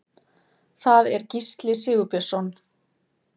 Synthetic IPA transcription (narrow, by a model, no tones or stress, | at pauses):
θaðɛɾcist̪lɪsɪːɣʏpɛr̥sɔn